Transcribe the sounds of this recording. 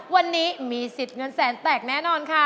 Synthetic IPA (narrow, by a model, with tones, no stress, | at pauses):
wa˧nːiː˦˥miː˧si˨˩t̪̚ŋɤ˧nsɛː˩˦ŋt̪ɛː˨˩k̚nɛː˦˥nɔː˧nkʰa˦˥˩